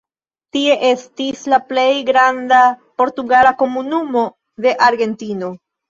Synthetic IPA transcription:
tie̞ʔe̞stislaple̞jɡɾandapo̞ɾtuɡalako̞munumo̞ | de̞ʔaɾɡe̞ntino̞

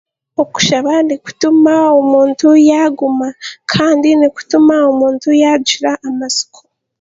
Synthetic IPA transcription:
oku̥ʃaβaniku̥tumaomuːntujaɡumakʰaːndiniku̥tumaomuːntujaɟiɾaʔːmasi̥kʰo̥

